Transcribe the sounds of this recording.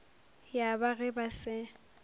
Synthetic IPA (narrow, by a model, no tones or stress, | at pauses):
jabaɣɛbasɪ